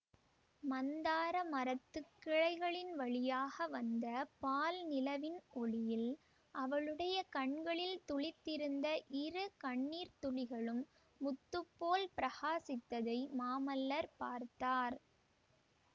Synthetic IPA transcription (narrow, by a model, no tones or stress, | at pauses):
mɐnd̪aːɾɐmɐɾɐt̪ːɯkːɪɻɐɪɣɐɭɪnʋɐɭɪjaːɣɐʋɐnd̪ɐpaːlnɪlɐʋɪnɔɭɪjɪl | ʔɐʋɐɭɯɽɐjɐkɐɳɡɐɭɪlt̪ʊɭɪt̪ːɪɾɯnd̪ɐʔɪrɯkɐɳːiːɾt̪ʊɭɪɣɐɭɯmː | ʊt̪ːɯpːoːlpɪɾɐɣaːsɪt̪ːɐðɐɪmaːmɐlːɐɾpaːɾt̪aːɾ